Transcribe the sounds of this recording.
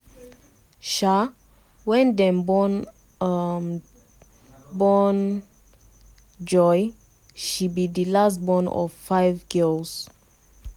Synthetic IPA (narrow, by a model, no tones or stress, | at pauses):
ʃa | wɛ̃nd̪ɛ̃mbɔn | bɔn | d͡ʒɔj | ʃibid̪ilas̬t̚bɔ̃nɔ̰vfaɪvɡɛls